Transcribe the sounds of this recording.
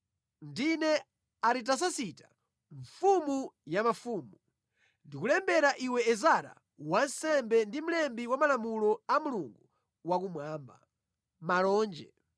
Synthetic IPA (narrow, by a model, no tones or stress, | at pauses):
ndinɛ | aɾit̬as̬asitḁ | ɱfumujamafuːmu | ndikulɛmbɛɾaʔiwɛːzaɾa̰ | wansɛmbɛndim̩lɛmbiwamalamulɔamuluŋɡu | wakumwaːmba̰ | malɔːnd͡ʒɛ̰